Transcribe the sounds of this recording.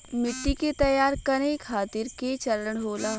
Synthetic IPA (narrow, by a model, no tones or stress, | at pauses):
mɪʈːiket̪ɐjaːɾkɐneːkʰaːt̪ɪɾket͡ʃɐɾəɽ̃ɦoːlaː